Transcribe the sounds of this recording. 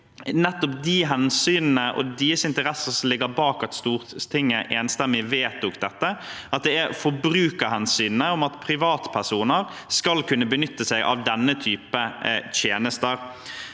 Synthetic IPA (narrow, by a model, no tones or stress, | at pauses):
nɛt̪ːɔp̚d̪ɪɦɛnsyːnnəʔɔ̰d̪iːəsɪnt̪əɾɛsəsɔmlɪɡːəɾbɑːkɑt̪st̪uːɾt̪ʰɪŋːəʔeːnst̪ɛmːɪʋeːt̪ɔkd̪ɛt̪ːəʔɑt̪̚d̪ɛæɾfɔbɾʉːkəɾhɛnsyːnnəɔmɑt̪pʰɾɪʋɑːt̪pʰæʂuːnəɾ | skɑlkʉnːəbənʏt̪ːəsɛɡʔɑ̰ʋd̪ɛnːət̪ʰyːpət̪ʰjeːnəst̪əɾ